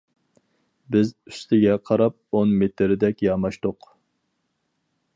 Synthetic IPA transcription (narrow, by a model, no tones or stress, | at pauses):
bɪzy̥st̪ʰɪɡʲɛqʰɑɾɑp̚onmet̪ʰɪɾɪd̪ɛkʲjɑmɑʃt̪ʊq